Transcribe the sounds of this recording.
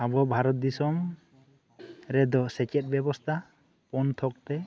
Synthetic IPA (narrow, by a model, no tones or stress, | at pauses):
abɔbʱaɾɔt̪̚d̪isɔm | ɾɛd̪ɔsɛt͡ʃɛt̪̚bjɛbɔst̪ʰa | pɔnt̪ʰɔk̚t̪ɛ